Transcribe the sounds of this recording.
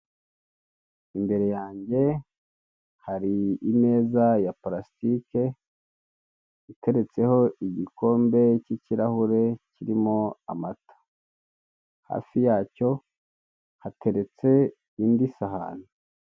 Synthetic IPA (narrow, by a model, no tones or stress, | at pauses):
imbe̞ɾe̞jaːɲɟe̞ | haɾiːme̞ːzajapɾasitike̞ | ite̞ɾe̞t͡se̞ho̞iɟiko̞ːmbe̞ciciɾahuɾe̞ciɾimoa̰matḁ | ha̰ːfijaːco̞ | hatʰe̞ɾe̞t͡se̞ | iːndisaɦa̰no